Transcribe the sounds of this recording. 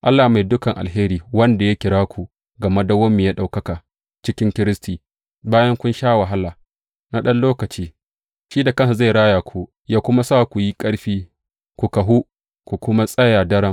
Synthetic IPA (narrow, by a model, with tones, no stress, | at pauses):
ʔa˦lːaː˨ma˨jdʊ˦kɐ˨ŋʔa̰˨lɦeː˦ɾiː˨wɐ˦nda˨ja˦kʲɪ˨ɽaː˦kʷu˨ | ɡɐ˨ma˦da˨wɐ˦mːi˨ja˦ɗa˨wkɐ˦kaː˨ | t͡ʃɪ˦kʲɪ˦ŋkʲɪ˦ɾɪ˦stiː˨ | baː˦jɐ˦ŋkʷʊ˦nʃaː˦wa˨ɦa˦laː˨ | na˦ɗɐ˦nloː˦kɐ˨t͡ʃiː˦ | ʃiː˦da˨kɐ˦nsa˨za˦˨jɽaː˦jaː˨kʷʰuː˦ | jaː˦kʷʊ˦ma˦saː˦˨kʷu˨ji˦kʼɐ˦ɽɸiː˦ | kʷu˨kɐ˨ɦu˦ | kʷu˨kʷʊ˦ma˦sʼɐ˦jaː˨dɐ˦ɽɐ˦m